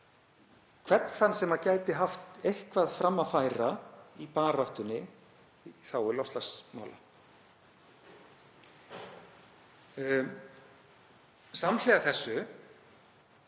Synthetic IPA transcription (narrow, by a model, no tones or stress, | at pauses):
kʰvɛt̪n̥θanːsɛmacaːjt̪ɪɦaft̪ejhkvaðfɾamːafaːjɾaipaːɾaht̪ʏnːɪ | θawɪlɔst̪lasma̰ːwla̰ | saml̥ɛɣaθɛsːʏ